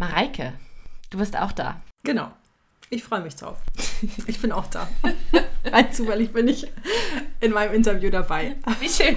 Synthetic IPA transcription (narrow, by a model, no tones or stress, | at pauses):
maʁaɪkʰəd̥uːbɪɐsta̰ʊxd̥a̰ːɡ̥ənaʊ | ʔɪçfʁ̥ɔʏəmɪçd̥ʁa̰ʊfʔɪçb̥ɪnaʊxd̥a̰̥ː | aɪnt͡suːfɛlɪçb̥ɪnɪç | ʔɪnmaɪnəmʔɪntɐvjuːdabaɪiʃøːn